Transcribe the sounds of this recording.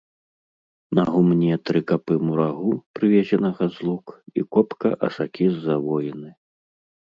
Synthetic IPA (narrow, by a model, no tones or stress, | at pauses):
nɐɣumnʲɛt̪ɾɨkapɨmuɾaɣupɾɨvʲɛzʲɛnɐɣɐzlˠukḭkɔpkɐʔɐ̰sakʲizːavɔjinɨ